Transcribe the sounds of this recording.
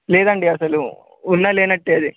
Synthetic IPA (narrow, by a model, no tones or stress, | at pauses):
leːd̪ɐɳɖiɐsɐlu | unːɐleːnɐʈːeɐd̪i